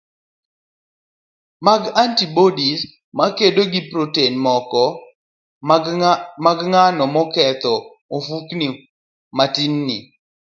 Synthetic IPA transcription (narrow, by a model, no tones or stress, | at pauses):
maɡantibodis | makedoɡɪpɾotenmɔkɔ | maɡŋanɔmɔkɛt̪ɔ | ofukni | matinːi